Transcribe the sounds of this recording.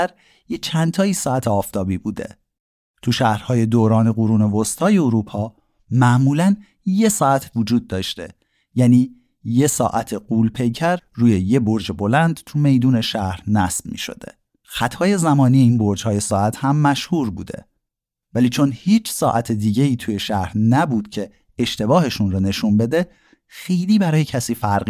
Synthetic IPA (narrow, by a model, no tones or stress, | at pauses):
æɾ | jet͡ʃʰænt̪ʰɒːiːsɒːæt̪ʰeɒːft̪ʰɒːbiːbuːd̪e̞̰ | t̪ʰuʃæhɾhɒːje̞d̪oːɾɒːne̞ɣuɾuːne̞vost̪ʰɒːjeoɾuːpʰɒː | mæʔmuːlæn | je̞sɒːæt̪ʰvod͡ʒuːd̪̚ːɒːʃt̪e̞̰ | jæniː | je̞sɒ̰ːʔæt̪ʰeɢuːlpʰe̞jcʰæɾruːjeje̞boɾd͡ʒebo̞lænd̪̥t̪ʰume̞jd̪uːne̞ʃæhɾnæsb̥̚mḭːʃo̞̰d̪̥ḛ | xæt̪ʰhɒːje̞zæmɒːnije̞iːnbo̞ɾd͡ʒhɒːje̞sɒːæt̪ʰhæmːæʃhuːɾbṵːd̪e̞̰ | væliːt͡ʃʰo̞nhiːt͡ʃʰsɒːʔæt̪ʰed̪iːɟe̞iːt̪ʰuːje̞ʃæhɾnæbuːd̪̥cʰe̞ː | ʃt̪e̞bɒːhe̞ʃunrɔːne̞ʃunbe̞d̪e̞ | xe̞jliːbæɾɒːjecʰæsiːfæɾɢi